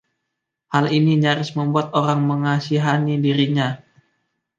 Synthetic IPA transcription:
haliniɲaɾɪsməmbuat̪oɾaŋməŋasiɦanidiɾiɲa

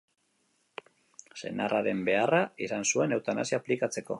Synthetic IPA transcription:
se̞̰naraɾe̞mbe̞araisansue̞ne̞wt̪ana̰siaːplikat͡se̞ko̞̰

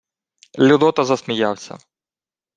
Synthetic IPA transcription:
lʲʊd̪ɔt̪ɐzɐsmʲijawsʲɐ̰

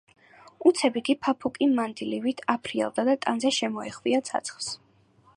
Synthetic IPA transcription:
ut̪sʰɛbikʼipʰapʰukʼimand̪ilivit̪ʰapʰɾiɛ̰lˠd̪ad̪at̪ʼanzɛʃɛmɔɛχviat̪sʰa̰t̪sʰχˠs

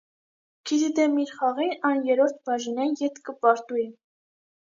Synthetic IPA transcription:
ɡ̥it̪ʰid̪ɛmiɾχɑʁinɑnjɛɾɔɾt̪̚ʰbɑʒinɑnjɛt̪kəpɑɾt̪ujɛ

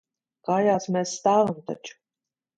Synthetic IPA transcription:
kɑːjaːsmɛsːt̪aːvamt̪a̰t͡ʃ

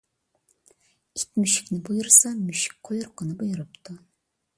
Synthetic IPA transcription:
it̪ʲmyʃɪ̥kʲnɪbujuɾsɑmyʃɪ̥k̚ʲqʰojuɾqɑnɨbujuɾɯpt̪u

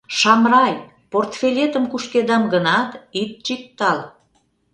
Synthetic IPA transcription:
ʃɑmrɑj | port̪fʲelʲet̪əmkuʃked̪ɑmɡənɑt̪it̪̚t͡ɕik̚t̪ɑl

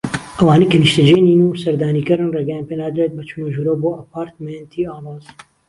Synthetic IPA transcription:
ʔɐwaːnekɐniʃt̪ɐd͡ʒeːniːnusɐɾd̪aːniːkɨɾɨnreːɡɛjãːnpeːnaːd̪ɨɾeːt̪̚bɐt͡ʃʰunoʒuɾoːboːʔɐpaːɾt̪ment̪ʰiːaːloːz

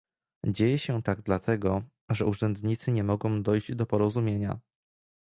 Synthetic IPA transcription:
d͡ʑejɛɕɛt̪aɡd̪lat̪ʰɛɡɔ | ʐɛuʐɛnd̪ɲit̪sɘɲɛmɔɡɔ̃w̃d̪ɔjʑd͡ʑd̪ɔpɔɾɔzumʲjeɲa̰

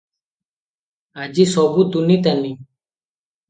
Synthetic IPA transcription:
ad͡ʒisɔbud̪unit̪ani

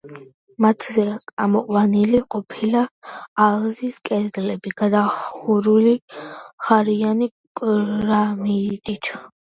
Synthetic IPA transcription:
mat̪ʰzɛamɔqʼwaniliqʼɔpʰilaːlziskʼɛɾd̪lɛbiɡad̪auɾuliχaɾiani | kʼɾamit̪ʼit̪ʰ

